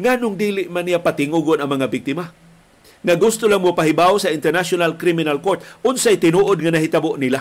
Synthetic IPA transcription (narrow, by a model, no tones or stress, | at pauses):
ŋaːnʊŋd̪iːlɪʔmanːijapat̪ɪŋuɡonɐŋmɐŋabɪk̚t̪ɪma | ŋaɡʊst̪ʊlaŋmʊpaɦɪbawsɐɪnt̪ɛɾnasonalkɾimɪnalkoɹt̪̚ʔʊnsajt̪ɪnuːʔod̪̚ŋɐnaɦɪt̪aboʔnila